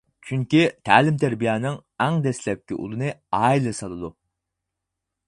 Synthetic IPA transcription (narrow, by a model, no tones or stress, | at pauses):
t͡ʃʰyŋkʲit̪ʰæːlɪmt̪ʰɛɾbijɛːnɨŋæŋd̪ɛslɛp̚kʲːiʔṵlˠɨnɨɑːilˠɨsɑlˠɨd̪u